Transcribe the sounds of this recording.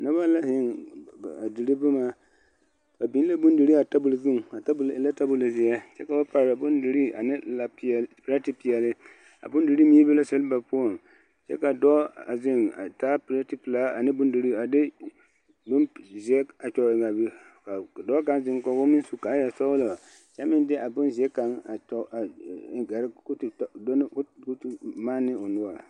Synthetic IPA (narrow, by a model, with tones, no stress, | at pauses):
na˦ba˦la˦ɦɪ˦ŋ˨ | a˨dɨ˨ɾɨ˦bʊ˦maː˦ | ba˨bi˨˦la˦bʊ˦ndɨ˨ɾi˦a˨ta˦bu˨lzʊ˦ŋ˨a˨˦la˦ta˦bʊ˨la˨zi˨ɛ˦t͡ʃɛ˦ka˨ba˦pa˨ɾa˨bʊ˦ndɨ˨ɾi˦a̰˨nɨ˦la˨ppɾa˦ti˨˦pi˨jɛ˨lɪ˦ | a̰˨bʊ˦ndɨ˨ɾi˦mi˦bɨ˦la˦sɛ˦lba˨po˦o˨n | t͡ʃɛ̰˦ka˨dɔ˦a˨zɪ˦ŋa˨taː˦pi˨˦ɾa˦ti˦pɨ˨la˦a˨nɪ˦bʊ˦ndu˨ɾi˦a˨dɪ˦ | dʊ˦nzi˨ɛ˦a˨t͡ʃɔ˨ɪ˨ɡa˨bɪ˦ | ka˨dɔ˦ka˦nzɪ˦ŋkɔ˨ɡo˦mɪ˦su˦˨ka˨˦ja˨sɔ˦wʊ˦la˨ | t͡ʃɛ˦mɪ˦ndɪ˦ʔa˨bʊ˦nzi˨ɛ˦ka˨˦ŋa˨ɔ˦a˨ɡa˨ɾktdo˦ku˦tma˦nːɪ˦o˨nʊ˦a˨